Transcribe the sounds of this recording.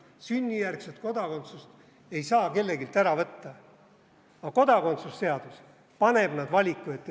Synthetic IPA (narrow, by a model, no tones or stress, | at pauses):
synʲːijærkset̪̚ko̞d̪̥ɑko̞nt̪sust̪ | e̞jsɑːke̞lːe̞ɡilt̪æɾɑvɤt̪ːɑ | ɑko̞d̪ɑko̞nt̪susse̞ɑd̪̥us | pɑne̞b̥nɑd̪vɑlʲikˑːuet̪ːˑ